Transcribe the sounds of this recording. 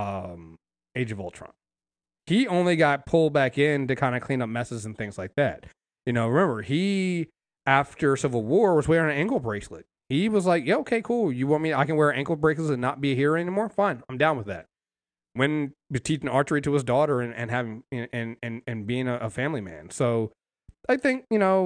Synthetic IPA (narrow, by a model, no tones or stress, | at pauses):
ʌ̃m | eɪd͡ʒʌvoʊlˠtʰɹ̥ʌ̰̃mp̚ | hiõʊ̃nliɡɑt̚pʰʊlˠd̚bækɪ̃ntɨkʰãɪ̃ndɨkʰl̥ĩnʌp̚mɛsɨz̃n̩θɪ̃ŋz̥laɪk̚ðæ̰t̚ | jɨnoʊɹɨmɛ̃mbə˞i | æftə˞sɪvl̩ˠwɔɹwʌzwɛɹɪ̃ŋɨæ̃ŋɡl̩ˠbɹeɪkslɪt̚hiwʌzlaɪkjæoʊkʰeɪkʰulˠjɨwõʊ̃nmiaɪkɨ̃nwɛɹæ̃ŋkl̩ˠbɹeɪsləɨ̃nət̚b̥ihiɹɛnimɔɹfãɪ̃nãɪ̃mdãʊ̃nwəðæ̰t̚ | wɨ̃nɨtʰit͡ʃɪ̃ŋɑɹt͡ʃə˞iɾɨɨzdɔɾə˞ɨ̃nɨ̰̃nɦævɪ̃ŋɨ̃ʔɨ̃nɨ̃nɨ̃nbiɪ̃ŋɨʔəfæ̃mlimæ̰̃nsoʊ | aɪθɪ̃ŋkjɨnoʊ